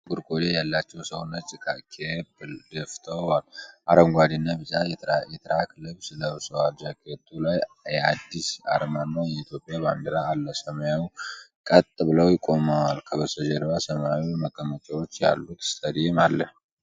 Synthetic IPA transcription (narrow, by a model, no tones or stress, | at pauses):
ɡuɾkʰʼo̞d̪ejalːat͡ʃːɛwsəwnːət͡ʃʼɪkʼakʰebd̪əft̪ʰəwalʔaɾəmɡʷad̪inːabɨt͡ʃʼajjɛt̪ʰɨɾakʰɨlːɨβsɨləβsəwad̪d͡ʒakʰʼet̪ʰʼːulajjɛad̪ːisa̰ɾmanːajɛit̪ʰjo̞pʼjaband̪əɾaːlːəsəməjawkʼət̪ʼːbɨləwjɪkʼːo̞mawalkʰəbəsəd͡ʒeɾbasəmawiməkʼːəmət͡ʃʼawo̞t͡ʃːja̰lːut̪st̪ʰʼəd̪iemalːəh